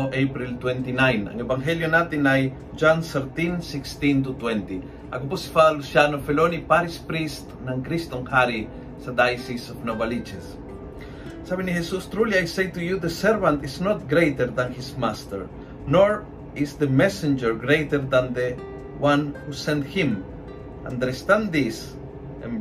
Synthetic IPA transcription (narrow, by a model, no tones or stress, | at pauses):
ʔejpɾilt̪wɛ̃nt̪inãj̃nã̰ŋevãŋɦeljonat̪ĩnaj | d͡ʒãnseɾt̪ĩnsikst̪ĩnt̪ut̪wɛ̃nt̪i | ʔa̰kuposi̥falusjanofelonipaɾispɾist̪nãŋkɾist̪õŋhaɾi | sad̪ajsisovnovalit͡ʃes | saβĩnihesust̪ɾuliajsejt̪ujuðəsɛɾvãnt̪iznot̪̚ɡɾejt̪əɾðãnhismast̪ə̰ɹ | noɹ | isðəmɛsɪ̃nd͡ʒəɹɡɾejt̪əɾðãnd̪e | wãnhusɛ̃nt̪hĩm | ã̰nd̪əɾst̪ãnd̪is | ḛ̃n